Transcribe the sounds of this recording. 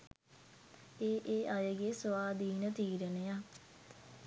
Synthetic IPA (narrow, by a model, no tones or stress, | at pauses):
eːʔeːʔajəɡesʋaːd̪ʱiːnət̪iːɾənəja